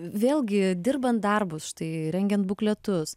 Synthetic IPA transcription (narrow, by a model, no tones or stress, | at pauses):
ʋʲeːlʲˠɡʲɪd̪ʲɪrbɐnt̪̚d̪ɐrbʊsʃt̪ɐɪɾʲɛŋʲɡʲɛnt̪buklʲɛt̪ʊs